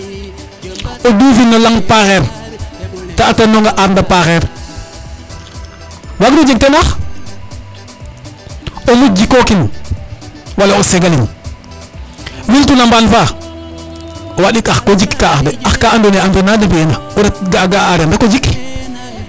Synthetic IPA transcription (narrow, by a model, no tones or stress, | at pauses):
oduːfinːolaŋpaxeɾ | taːtonoŋɡaʔaɾndapaxeɾ | waɡdod͡ʒek̚tenax | olud͡ʒikokin | walaoseɡalin | wiltunambanfa | owaɗikaxkod͡ʒikkaːxdeaxkaandoneandonadepijenaoɾatɡaɡaːɾendakod͡ʒik